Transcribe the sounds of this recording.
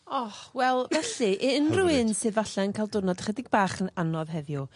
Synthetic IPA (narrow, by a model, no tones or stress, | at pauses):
ɔhwɛlˠvɛɬɨʔɛənruɨnsɨːðvaɬɛənkʰaɪlˠdʊnɔdχɛdɪɡ̚baːχənanɔðɦɛvju